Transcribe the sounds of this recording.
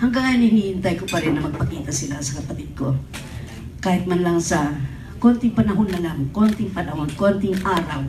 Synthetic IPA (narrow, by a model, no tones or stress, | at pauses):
hɐŋɡaŋjanɪnihɪnt̪ajkopɐɾɪnːɐmɐɡ̚pɐkiːt̪ɐsɪlasɐ̥kɐpɐt̪ɪd̪̚ko̞ | kaːhɪt̪̚manlaŋsɐ | ko̞nt̪ɪŋpɐnɐɦo̞nːɐlaŋko̞nt̪ɪŋpɐnɐhonko̞nt̪ɪŋʔaːɾaw